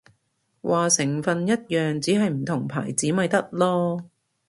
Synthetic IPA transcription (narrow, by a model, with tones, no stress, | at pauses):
wʔaː˨sɪ˨˩ŋfɐ˨njɐ˥t̚jœː˨ŋt͡siː˨˥ɦɐ˨jm̩˨˩t̪ʰʊ˨˩ŋpʰa̰ː˨˩jt͡siː˨˥mɐ˨˧jt̪ɐ˥t̚lɔː˥